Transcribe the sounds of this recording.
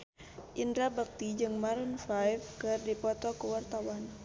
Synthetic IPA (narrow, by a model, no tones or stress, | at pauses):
ʔindɾabak̚t̪id͡ʒɨŋmaɾunfajfkɨrdipɔt̪ɔkəwart̪awan